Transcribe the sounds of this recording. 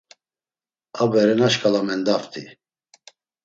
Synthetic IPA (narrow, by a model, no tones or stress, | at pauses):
abɛɾɛnaʃkʼalamɛnd̪aft̪ʰʼḭ